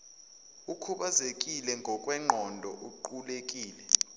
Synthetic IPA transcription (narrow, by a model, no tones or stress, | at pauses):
ukʰuɓazekʼilɛŋʱɔkʼwɛŋ͡ǃʱɔndʱɔ̰ʔuǃulekʼiːlɛ